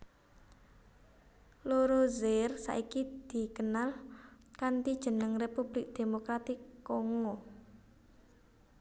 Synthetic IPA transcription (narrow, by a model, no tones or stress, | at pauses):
loɾozersa̰ʔikid̪̥i̤kənal | kant̪id̥ʒ̥ə̤nəŋrepub̥lɪk̚d̪̥e̤mokɾat̪ɪkːoŋo